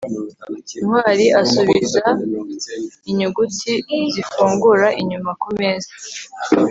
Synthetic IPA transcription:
mwaːɾiʔasuβiza | iɲuɡutizifuːŋɡuɾaʔiɲumakomeːzḁ

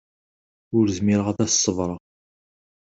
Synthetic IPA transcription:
ʊɾzmiɾəʁæðæssˤːəvɾˤɑ

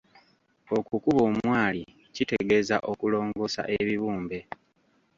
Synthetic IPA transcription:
o̞kukuβo̞ːmwaːli | cite̞ɡe̞za̰ʔo̞kulo̞ːŋɡo̞sa̰ʔeβiβuːmbe̞

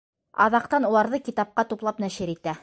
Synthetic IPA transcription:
ɑ̰ðɑq̚t̪ɑnulˠɑɾðɤkit̪ɑp̚qɑt̪uplˠɑpnæʃɘɾit̪æ

